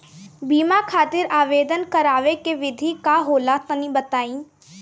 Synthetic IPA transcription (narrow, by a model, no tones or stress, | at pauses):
biːmakʰaːt̪ɪɾaːʋeːd̪ənkɐɾaːʋekeʋɪd̪ʱikaɦoːlat̪ɐnĩbɐt̪aːĩː